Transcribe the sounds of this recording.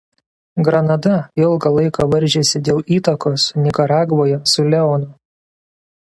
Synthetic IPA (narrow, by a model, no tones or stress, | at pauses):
ɡɾɐnɐd̪ɐɪlˠɡɐlˠɐɪkɑːʋɐɾʲˑʒʲeːsʲɪd̪ʲeːlˠiːt̪ɐkoːsnʲɪkɐɾɑːɡʋoːjɛsʊlʲɛoːnʊ